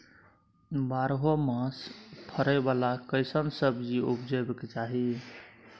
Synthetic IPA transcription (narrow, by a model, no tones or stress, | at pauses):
baɾɦomãspʰəɾəjbalakəɪsənsəbd͡ʒiupd͡ʒəbkt͡ʃaɦi